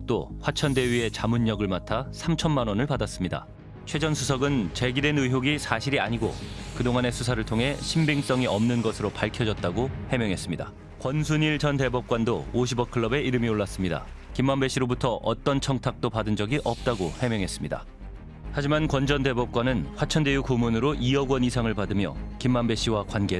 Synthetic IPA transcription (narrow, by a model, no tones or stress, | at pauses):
t͈oɸwat͡ɕʰʌnde̞ɥie̞t͡ɕamuɲːʌɡɯɭmatʰasʰamt͡ɕʰʌnmanwʌnɯɭpadas͈ɯmɲida̰ | t͡ɕʰwe̞d͡ʑʌnsʰusʰʌɡɯnt͡ɕe̞ɡidwe̞nɯɦjoɡisʰaɕʰiɾiaɲiɡo̰kɯdoŋane̞sʰusʰaɾɯɭtʰoŋɦe̞ɕʰimbiŋs͈ʌŋiʌmnɯnɡʌsʰɯɾopaɭkʰjʌd͡ʑʌt̚t͈aɡohe̞mjʌŋɦe̞s͈ɯmɲida̰ | kwʌnsʰuɲiɭt͡ɕʌnte̞bʌp̚k͈wandoːɕ̬ʰibʌkʰɯɭːʌbe̞iɾɯmioɭːas͈ɯmɲida̰kimːambe̞ɕ͈ʰiɾobutʰʌʔʌ̰t͈ʌnt͡ɕʰʌŋtʰak̚t͈opadɯnd͡ʑʌɡiʔʌp̚t͈aɡohe̞mjʌŋɦe̞s͈ɯmɲida̰ | had͡ʑimankwʌnd͡ʑʌnde̞bʌp̚k͈wanɯnɸwat͡ɕʰʌnde̞jukumunɯɾoʔiʌɡwʌnisʰaŋɯɭpadɯmjʌ̰kimːambe̞ɕ͈ʰiwakwanɡe̞